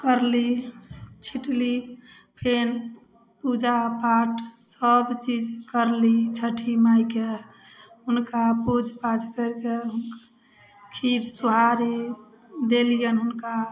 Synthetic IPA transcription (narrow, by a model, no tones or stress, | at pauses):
kəɾli | t͡ʃʰiʈli | pʰen | pud͡ʒapaʈsəbt͡ʃid͡ʒkəɾlit͡ʃʰəʈʰimajke | ɦunkapud͡ʒʱpad͡ʒkəɾke | kʰiɾsuɦaɾi | d̪elijənɦunka